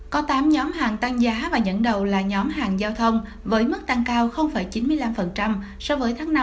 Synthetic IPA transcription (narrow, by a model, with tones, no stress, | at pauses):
kɔ˨˦t̪aː˨˦mɲɔ˨˦mɦaː˨˩ŋt̪a˧ŋzaː˨˦vaː˨˩zə̰˧˥nɗə˨˩wlaː˨˩ɲɔ˨˦mɦaː˨˩ŋzaː˧wt̪ʰə˧wŋ͡m | vəː˨˦jmɨ˦˥k̚t̪a˧ŋkaː˧wxə˧wŋ͡mfaː˧˩jt͡ɕi˨˦nmɨ˧əjla˧mfə˨˩nt͡ɕa˧m | sɔ˧wvəː˨˦jt̪ʰaː˨˦ŋna˧